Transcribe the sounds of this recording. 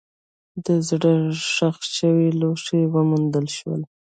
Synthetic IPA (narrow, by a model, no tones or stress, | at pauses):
d̪əzɽəʂaxʃəwiloʂewəmund̪əlʃwə̰l